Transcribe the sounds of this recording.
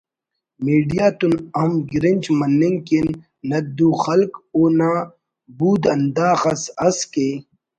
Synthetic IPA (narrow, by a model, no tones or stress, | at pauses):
miːɖijaːt̪unɐmɡɾinʲd͡ʑmɐnːiŋkinː | ɐd̪uːxɐlkoːnaː | buːd̪ɐnd̪aːxɐsɐske